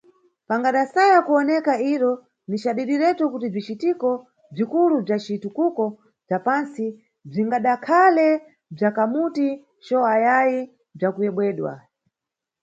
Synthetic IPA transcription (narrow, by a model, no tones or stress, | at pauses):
paŋɡaɗasajakuɔnɛkaiɾɔ | nit͡ʃaɗiɾiɾɛtɔkutib͡ʐit͡ʃitikɔ | b͡ʐikulub͡ʐat͡ʃitukukɔ | b͡ʐapansi | b͡ʐiŋɡaɗakʰalɛ | b͡ʐakamuti | t͡ʃɔajaji | b͡ʐakujɛɓwɛːɗwa̰